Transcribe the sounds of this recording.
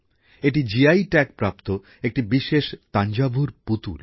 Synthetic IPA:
eʈ̬id͡ʑiajʈɛk̚pɾapt̪o | ek̚ʈibiʃeʃt̪and͡ʑabʱuɾput̪ṵl

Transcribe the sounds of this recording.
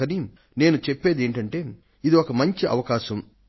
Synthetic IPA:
ɐni | ne̞ːnut͡ʃepːe̞ːd̪eːɳʈɐɳʈe̞ː | id̪iɔkɐmɐɲt͡ʃiʔɐ̰ʋɐkaːʃɐm

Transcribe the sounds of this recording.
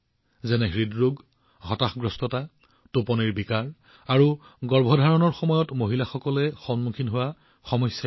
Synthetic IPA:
zɛnɛɦɹidɹoɡ | ɦɔtaxɡɹɔstɔta | topɔniɹbikaɹ | aɹu | ɡɔɹbʱɔdʱaɹɔnɔɹxɔmɔjɔtmoɦilaxɔkɔlɛxɔnmukʰinɦowa | xɔmɔjsja

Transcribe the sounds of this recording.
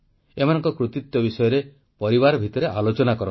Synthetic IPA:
emanɔ̃ŋkɔkɾut̪it̪jɔbisɔjɔɾe | pɔɾibaɾɔbʱit̪ɔɾeʔalot͡ʃɔnakɔɾɔ

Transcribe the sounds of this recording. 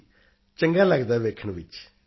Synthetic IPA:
t͡ʃəŋɡaːləɡd̪aːʋeːkʰəɳʋɪt͡ʃ

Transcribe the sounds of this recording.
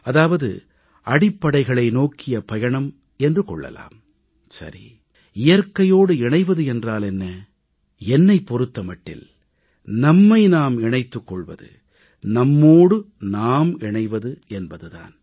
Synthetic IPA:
ɐðaːʋɐðɯ̰ | ʔɐɽɪpːɐɽɐɪɣɐɭɐɪnoːkːɪjɐpɐjɐɳɐm | ɛndrɯkɔɭːɐ̰la̰ːm | sɐ̰ɾḭ | ɪjɐɾkɐjoːɽɯɪɳɐɪʋɐðɯɛndraːlɛnːɐ | ɛnːɐɪpːɔɾɯt̪ːɐmɐʈːɪ̰l | nɐmːɐɪnaːmɪɳɐɪt̪ːɯkːɔɭʋɐ̰ðɯ̰ | nɐmːoːɽɯ | naːmɪɳɐɪʋɐðɯʔɛnbɐðɯða̰ːn

